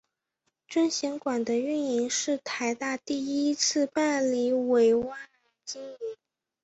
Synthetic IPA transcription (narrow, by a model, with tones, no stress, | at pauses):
ʈ͡ʂə˥ŋɕjɛ˧˥ŋkwa˨˩nd̪ə˦y˥˩ni˧˥ŋʂɻ̩˥˩t̪ʰa˧˥ɪt̪a˥˧t̪i˥˩i˥t͡sʰɹ̩˥˧pa˥˩nli˧˥we˨˧˩ɪwa˥˩n | t͡ɕi˥ŋi˧˥ŋ